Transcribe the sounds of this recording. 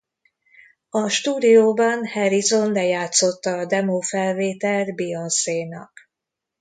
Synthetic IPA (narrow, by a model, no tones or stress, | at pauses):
ɒʃt̪uːd̪ijoːbɒnhɛɾizo̞nd̪ɛjaːt̪so̞t̪ːɒːd̪ɛmoːfɛlveːt̪ɛd̪bionseːnɒ̰k